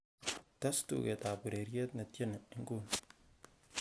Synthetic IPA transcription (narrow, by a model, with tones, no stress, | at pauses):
ta˦stṵ˨ɡe˨ta˨bu˨ɾe˨ɾje˦t̪na˨te˦na˨i˦ŋɡu˦n